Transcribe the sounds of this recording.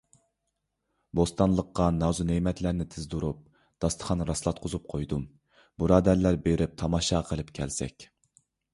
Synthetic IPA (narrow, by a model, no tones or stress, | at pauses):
bost̪ɑnlˠəqːɑnɑːzunemɛt̪læɾnɪt̪ʰɪzd̪uɾup̚ | d̪̥ɑst̪ʰə̥χɑnɾɑslˠɑt̪̚qʰʊzup̚qʰojd̪um | buɾɑːd̪æɾlæɾbeɾɪp̚t̪ʰɑmɑːʃɑqʰəlˠɨp̚kʲʰɛlsɛ̰kʲ